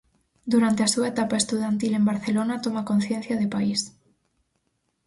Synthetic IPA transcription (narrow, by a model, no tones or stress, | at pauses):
d̪uɾant̪easuaet̪apaest̪uðant̪ilembaɾθelonat̪omakon̟θjẽn̟θjaðepais